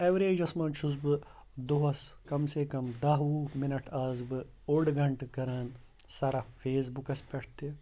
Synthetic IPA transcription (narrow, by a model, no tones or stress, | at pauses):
eʋɾeːd͡ʒɐsmɐ̃ːnt͡ʃʰuzbɨ | d̪oɦɐskɐmsekɐmd̪ɐɦuːmɪnɐʈʰaːzbɨ | oːɽɡʱɐɳʈkɐɾaːn | saːɾafʰeːz̬bukɐspɛʈʰt̪e